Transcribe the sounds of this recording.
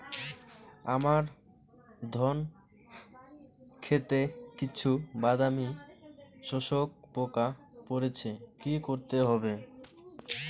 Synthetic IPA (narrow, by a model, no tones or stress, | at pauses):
a̰maɾ | d̪ʱɔn | kʰet̪ekit͡ɕʰubad̪ami | ʃoʃok̚poka | poɾet͡ɕʰekikoɾt̪eɦɔbe